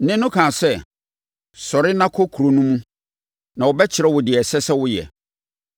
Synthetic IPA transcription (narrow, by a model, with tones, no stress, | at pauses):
nɪ̃˦nːʊ̃˦kʰãː˨sɛ˦ | sɔ˨ɾɪ˦nã˦kʰɔ˦kʰu˨ɾo˨nũ˦mũ˦ | nã˨wʊ˨bɛ˦t͡ɕʰɪ˨ɾɛ˦wʊ˨dɪ˨ɛ˨sɛ˦sɛ˦wʊ˦jɛ̰˨